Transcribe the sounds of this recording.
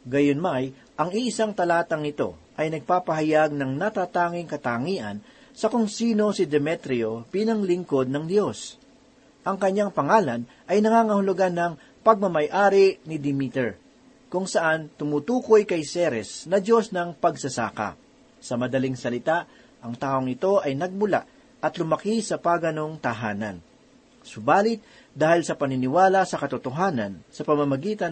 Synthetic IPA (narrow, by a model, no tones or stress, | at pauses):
ɡɐjonmaj | ʔɐŋiʔɪsaŋt̪ɐlaːt̪ɐŋɪt̪o̞̰ʔɐjnɐɡ̚paːpɐɦɐjaɡ̚nɐŋnɐt̪aːt̪aːŋɪŋkɐt̪aŋiːʔɐ̰n | sɐkʊŋsiːno̞sɪd̪ɛmɛt̪ɾɪo̞piːnɐŋlɪŋko̞d̪̚nɐŋd̪jo̞s | ʔɐŋkɐɲːaŋpɐŋaːlɐn | ʔɐjnɐŋaːŋɐhʊlʊɡanːɐŋ | pɐɡ̚mɐmɐjʔaːɾɪnɪd̪ɪmit̪ɛɹ | kʊŋsɐʔant̪ʊmut̪uːkojkɐjsɛɾɛsnɐd̪o̞snɐŋpɐɡsɐsa̰ːkɐ̰ | sɐmɐd̪ɐliŋsɐlɪt̪aʔ | ʔɐŋt̪aːʔoŋɪt̪o̞ʔɐjnɐɡ̚mʊla̰ʔ | ʔɐt̪lʊmɐkisɐpaːɡɐno̞ŋt̪ɐɦaːnɐn | sʊbaːlɪt̪̚ | d̪aːhɪlsɐpɐnɪnɪwaːlɐsɐkɐt̪ʊt̪oɦaːnɐnsɐpɐmɐmɐɡiːt̪ɐ